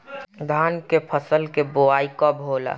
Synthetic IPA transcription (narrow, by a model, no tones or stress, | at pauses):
d̪ʱaːnkepʰəsəlkeboaːikɔbɦoːla̰